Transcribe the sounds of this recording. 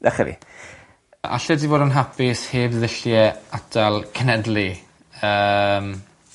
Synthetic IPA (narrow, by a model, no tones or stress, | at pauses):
dɛχɛvḭ | ʔa̰ɬɛdivoːdənɦapɪsheːvðɪɬjɛatʰalˠkʰənɛdlˠi | əːm